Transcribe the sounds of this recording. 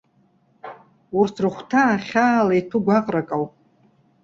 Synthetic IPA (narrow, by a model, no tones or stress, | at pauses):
urtʰrɨχʷtʰaːχʲaːlajtʰuɡʷaqʼrakʼawpʼ